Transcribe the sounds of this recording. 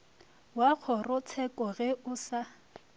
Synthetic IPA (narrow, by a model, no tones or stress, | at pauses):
wak͡xʰɔrʊt͡sʰɛkʼɔɣɛʊsa